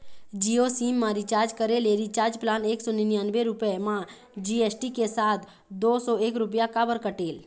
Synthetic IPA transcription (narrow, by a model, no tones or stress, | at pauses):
d͡ʒiosiːmːãɾit͡ʃaːɾd͡ʒkəɾeleɾit͡ʃaːɾd͡ʒplaːneːksɔninjãnbeɾʊpəmã | d͡ʒieːsʈikesaːt̪ʰ | d̪oːsɔeːkɾʊpjakaːbəɾkəʈeːl